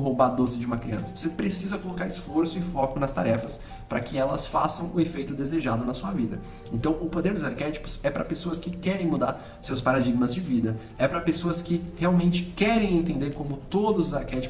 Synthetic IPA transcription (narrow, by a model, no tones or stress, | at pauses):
ɦowbad̪ozɪd͡ʒɪũmɐkɾiɐ̰̃sɐvo̥sepɾesizɐkolokaɾɪsfoɾsʊɪfɔkʊnɐst̪a̰ɾɛfɐs | pɾɐ̰kɪɛlɐsfasɐ̃w̃ʊefejt̪ʊd̪ezeʒad̪ʊnɐsuɐvid̪ɐ̰ | ẽnt̪ɐ̃w̃ʊpod̪eɾd̪ʊzaɾkɛt͡ʃi̥pʊ̥sɛpɾɐ̰pesoɐskɪkɛɾẽj̃mud̪aɾ | ʊsewspaɾad͡ʒiɡmɐzd͡ʒɪvid̪ɐ | ɛpɾɐpesoɐskɪheawmẽnt͡ʃɪ̥kɛɾẽj̃ẽnt̪ẽnd̪eɾkõmʊt̪od̪ʊzʊzaɾkɛt͡ʃi̥